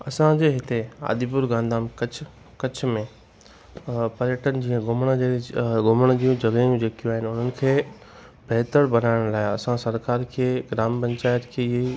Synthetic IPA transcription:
ɐsãd͡ʑeːɦɪt̪ea̰ːd̪ipʊɾɡãːnd̪aːmkɐt͡ɕʰ | kɐt͡ɕʰmẽ | pɐɾjəʈənɪ̆d͡ʑiːə̃ɡʊmɽ̃ɡʊməɽ̃d͡ʑiːũd͡ʑɐɡəjũd͡ʑeːkijũaːɦɪnʊn̤ənɪ̆kʰeː | bʱɛːt̪əɽbɐnaːɪɽ̃laːɪɐsãsɐɾkaːɾkʰeːɡɾaːmpɐ̃ɲt͡ɕaːɪt̪kʰeːɪɦe

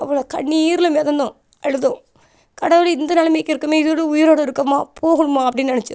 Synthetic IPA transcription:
ɐʋːɐɭoːkɐɳːiiːɾɪlɐmɛðɐnd̪õ | ɛɻɯðõ | kɐɽɐʋɪlɪnd̪ɐnɐlɐmekːɪɾɯkːɯmeːɪðoɭɯʊjɪɾoːɽɐɪɾɯkːɐmaːpʰoːɣɯɳɯmaːɐpːɐɽɪnːnɐɳɪt͡ʃːṵ̃

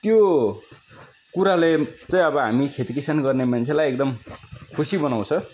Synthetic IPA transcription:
t̪jo | kuɾalet͡sʌ̃ĩʌbʌɦamikʰet̪ikisanɡʌrnemant͡sʰelajek̚d̪ʌmkʰusibʌnaw̃t͡sʰʌ

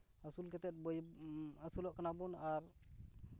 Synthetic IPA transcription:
əsulket̪ɛt̪̚bəjəsulɔʔkənabunaɾ

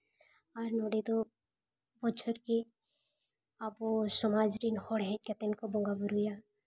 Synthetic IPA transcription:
aɾnɔɽid̪ɔ | bɔt͡ʃʰɔɾki | abɔsɔmad͡ʒɾinhɔɽɦɛt̪̚kɛt̪ɛnkɔbɔŋɡabuɾuja

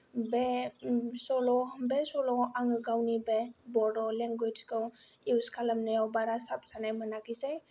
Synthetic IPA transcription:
be | sɔlɔbesɔlɔaŋɯɡawnibebɔɾɔlɛŋɡwed͡ʒkɯw | iwskʰalamnajawbaɾasap̚sanajmənakizaj

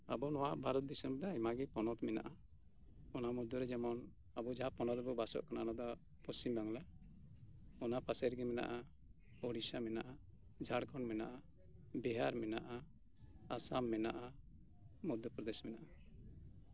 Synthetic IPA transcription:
abɔnɔwaʔbʱaɾɔt̪̚d̪isɔnbɛd̪ajmaɡɛpɔnɔt̪mɛna̰ʔa | ɔnamɔd̪jɔɾɛd͡ʒɛmɔn | abɔd͡ʒaɦapɔnɔd̪bɔbasɔ̰ʔkananad̪ɔ | pɔst͡ʃimbaŋlɛ | ɔnapasɛɾɡɛmɛna̰ʔa | ɔɽisamɛna̰ʔa | d͡ʒʱaɽkɔnmɛna̰ʔa | bɛɦaɾmɛna̰ʔaː | samːɛnaʔa | mɔd̪jɔpɾɔd̪ɛsmɛnaʔa

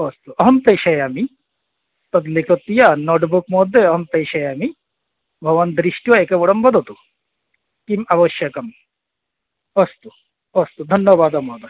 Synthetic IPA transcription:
ɔst̪uɔɦɔmpejʃɐjami | t̪ɔd̪likʰot̪ːijanoʈbukmɔd̪ʱːeɔɦɔmp̪ejʃɐjami | bʱɔʋand̪ɾiʃʈiaekebɔɽɔmbɔd̪ʱot̪u | kimabɔʃjɐkɐm | ɔst̪u | ɔst̪ud̪ʱɔnjɔbaːd̪ɔmɔd̪ɔ

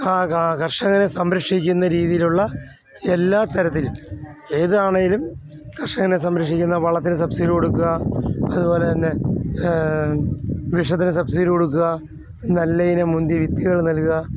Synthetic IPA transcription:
aːkɐrʂɐŋːɐnesɐmɾɐkʂikʲːunːɐɾiːðijiluɭːɐ | elːaːt̪ɐɾɐt̪ːilum | eːðɨaːɳeŋɡilum | kɐrʂɐŋːɐnes̬ɐmɾɐkʂikʲːunːɐpɐɭɐt̪ːinɨs̬ɐbsiɾkoɽukːuɣɐɐðubo̞ːle̞t̪ɐnːe̞ | ʋiʂɐt̪̬ːinɨsɐbsiɾɨkoɽuk̬ːuɣɐ | nɐlːɐjinɐmund̪jiʋit̪ːiɣɐɭnɐlkuɣɐ

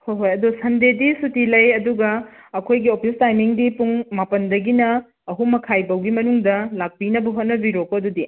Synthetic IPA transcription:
hojɦojɐdusɐndedisutilɐjɐduɡɐːkʰojɡiopʰistajmiŋdipuŋmapɐndɐɡinɐː | ɦumɐkʰajbɐwɡimɐnuŋdɐlak̚pinɐbɐɦot̚nɐbiɾokoɐdudi

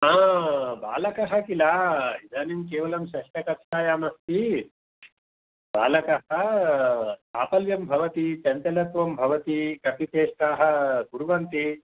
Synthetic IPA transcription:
aːba̰ːlɐkɐɦɐkilaːid̪aːnimkeːʋɐlɐmʃɐʂʈɐkɐpʃaːjaːmɐst̪i | baːlɐkɐɦɐ | aːpɐljɐmbʱɐʋɐt̪it̪ɐnt̪ɐlɐt̪ʋɐmbʱɐʋɐt̪ikɐp̪it̪eːʂʈaːɦɐ̆ɡuɾuʋɐnt̪i

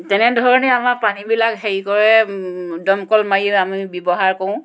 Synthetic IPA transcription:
tɛnɛdʱɔɹɔnɛamaɹpanibilakɦeɹikɔɹɛdɔmkɔlmajiamibjɔbɔɦaɹkoʊ̃

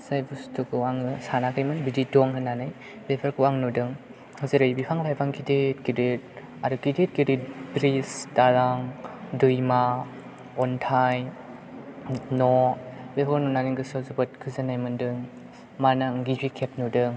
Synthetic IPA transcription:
sajbustʰukʰɯaŋɯsanakʰɯjmɯnbididɔŋɦɯnanɯj | b̥epʰaɾkɯwaŋnudɯŋ | hɯzɯɾɯjbipʰaŋlajbaŋɡidet̚kidet̚ | adɯɡidet̚ɡiditbɾisdalaŋdɯjma | ɔntʰaj | nɔbepʰɔɾnunaniŋɡɯsɔzubɯt̚kʰɯzɯnajmɯndɯŋ | manaŋɡibikʰep̚nudɯŋ

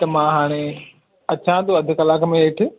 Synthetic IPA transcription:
t̪ɐmãːɦaːɽ̃e | ɐt͡ɕʰãːt̪oɐd̪ʱʊkɐlaːkmẽeːʈʰɪ̆

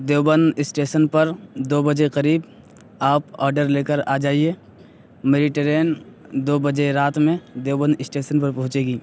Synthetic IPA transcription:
d̪eːwbənɪsʈeːʃənpɐɾd̪oːbəd͡ʒeqɐɾiːb | aːpa̰ːɾɖəɾleːkəɾa̰ːd͡ʒaːieː | meːɖɪʈeɾeːn | d̪oːbəd͡ʒeɾaːt̪mẽd̪eːbənɪsʈeːʃənpɐɾpɐ̃ɦʊ̃t͡ʃeːɡiː

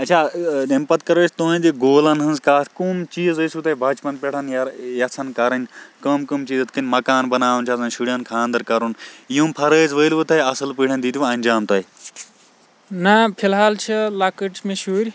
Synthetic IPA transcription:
ɐtːt͡ʃʰaːɐmpɐt̪̚kɐɾəːt͡ʃʰt̪uːnd̪iɡoːlɐnɦɐnzkaːt̪ʰkumt͡ʃiːzɐsut̪ʰɐibʱɐt͡ʃpɐnpʲeʈʰɐnjjɐsʰɐnkɐɾɐnʲkɐmkɐmt͡ʃiːzɐt̪̚ʰkɐnʲmɐkaːnbɐnaːʋunt͡ʃʰasɐnʃuɽijankʰãːnd̪ɐɾkɐɾunjũːmpʰɐɾəːzʋəːlʋɨt̪ʰɐiɐsɨlpiːɽʰɐnʲd̪iːt̪iʋɐnʲd͡ʒaːmt̪ɐi | nɐpʰilɦaːlt͡ʃʰɐlakəʈmẽʃuːɾʲ

